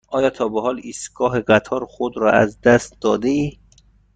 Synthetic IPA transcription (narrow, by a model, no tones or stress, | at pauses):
ʔɒːjɒːt̪ʰɒːbeɦɒːliːst̪ɡ̥ɒːɦeɢæt̪ʰɒːɾxod̪ɾɒ̰æ̰zd̪æst̪̚d̪ɒːd̪eiː